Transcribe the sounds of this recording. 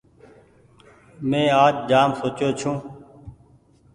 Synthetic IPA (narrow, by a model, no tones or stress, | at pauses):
mẽːaːd͡ʒd͡ʒaːmsoːt͡ʃjoːt͡ʃʰũː